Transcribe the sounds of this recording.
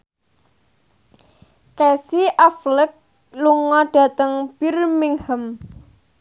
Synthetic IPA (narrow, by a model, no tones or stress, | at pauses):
kɛsiʔaflɪk̚ | luŋɔɖ̥a̤t̪əŋb̥irmiŋhəm